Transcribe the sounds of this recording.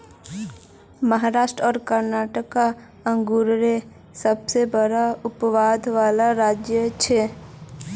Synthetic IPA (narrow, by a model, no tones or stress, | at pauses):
məɦaɾaːʃʈɾɔːɾkəɾnaːʈəka | ə̃ŋɡuɾɾe | səbsebəɽaʊpʋaːd̪ʱʋaːlaɾaːd͡ʒjət͡ʃʰe